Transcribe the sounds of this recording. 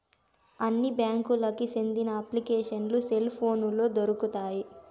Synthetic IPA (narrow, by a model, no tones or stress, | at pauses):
ɐnːibjaːŋkulɐkisend̪inɐɐpːlikɛːʂɐnluselpʰo̞ːnulo̞ːd̪oɾukut̪aːji